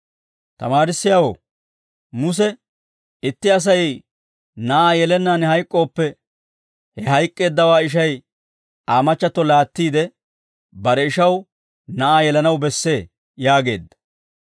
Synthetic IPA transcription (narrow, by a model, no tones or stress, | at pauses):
t̪ɐ̰maːɾɪsːɪjaːwo̰ː | mʊs̬ɛ | ɪt̪ːɪɐs̬ɐj | nɐʔaːjɛlɛnːaːnhɐjkʼːo̞ːpːɛ | hɛɦɐjkʼːe̞ːd̪ːɐwaːɪʃ̬ɐj | aːmɐt͡ʃːɐt̪ːɔlaːt̪ːiːd̪ɛ | bɐɾɛɪʃɐw | nɐʔaːjɛlɐnɐwbɛsːe̞ː | jaːɡe̞ːd̪ːɐ̥